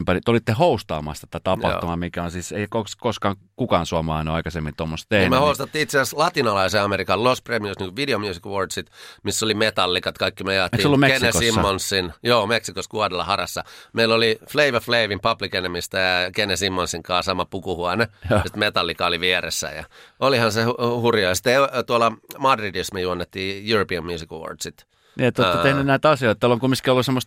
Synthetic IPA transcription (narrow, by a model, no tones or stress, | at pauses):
mpɑnit̪eolit̪ːehoust̪ɑːmɑ̰st̪ɑt̪æt̪ɑpɑ̰ht̪umɑmikæonsiːseiækoskoskɑːŋ | kukɑːnsuɑmɑˑinoɑikɑsemːint̪omːost̪t̪ehmehoust̪ɑt̪ːiːit̪seæslɑt̪inɑlɑiseːɑmeɾikɑllospremiusniŋkuʋʋideomjuːsikʋordsit̪misːolimet̪ɑlːikɑt̪kɑikːimøjɑːt̪kːolːummekesneosimːonsːinjoːmeksikoskuɑdelːɑhɑrɑsːɑmeilːolifleiʋæfleiʋimpɑplikenemist̪æjɑkenesimːonsːiŋkɑːsɑmɑpukuhuɑnesi̥t̪met̪ɑlːikɑoliʋiɛresːæ̰jɑ̰olihɑnsehuhurjojɑsi̥t̪ːet̪uɑlɑmɑdridismijuɑnːet̪ːiːjuropiæmːjuːsikʋo̰rd̥sit̪ | niet̪ːot̪ːt̪ehnynæit̪ɑsioit̪ːɑolːoŋkumːiskiolːusemːost̪